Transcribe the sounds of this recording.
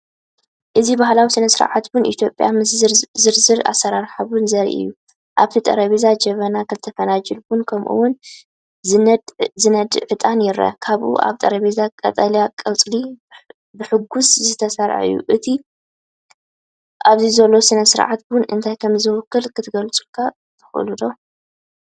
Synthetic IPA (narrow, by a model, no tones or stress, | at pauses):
ʔɨzibahlawisinɐsɨɾʕat̪bʊnʔḭt̪ʰjo̞pʼːja̰mzɨɾzɨɾa̰sɐɾaɾħaβunzɐɾḭʔɨ̰jːu | ʔaβt̪ʰit̪ʼɐ̰ɾɐβizad͡ʒɐβɐnakʰɨzt̪ʰɐfɐnad͡ʒɨlbʊnkʰɐmʔṵwʊn | d̪zɨnɐd̪ʕɨt̪ʼanjɪɾɐ̰kʰaβʔṵʔa̰βt̪ʼɐɾɐβizakʼɐ̰t̪ʼɐljakʼɐlt͡sʼli | bɨħɨɡuszɨt̪ʰɐsɐɾʕ̰ʔɨ̰jːṵʔɨt̪ʰi | ʔaβzizɐlːo̞sinɐsɨɾʕat̪bʊnɨ̰nt̪ʰajkʰɐmzɨwkʰːɨlkʰɨt̪ʰɨɡɐlt͡sʼukʰa | t̪ʰɨ̥xʔɨ̰lud̪o